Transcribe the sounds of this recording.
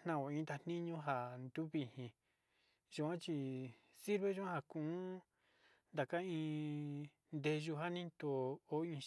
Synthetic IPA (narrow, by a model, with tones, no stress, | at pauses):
nã˧o˨ĩ˧˦d̪a˧n̥ĩ˦ɲũ˧˦ɦa˨nd̪u˦βi˧˨hĩ˧ | ʒu˧ã˦t͡ʃi˧ | si˦ɾβe˧˦ʒu˧˦ã˦ha˧kũ˨˦ | nd̪a˨ka˦ĩ˧ | nd̪e˧ʒu˧ɦa˦nĩ˦t̪o˨o˦ĩ˧